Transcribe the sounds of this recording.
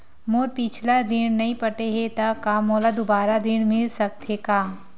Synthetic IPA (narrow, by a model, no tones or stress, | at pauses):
moːɾpɪt͡ʃʰlad̪ɪnnɐɦĩpɐʈeɦet̪akaːmoːlad̪ʊbaːɾad̪ɪnmɪlsɐk̚t̪ʰekaː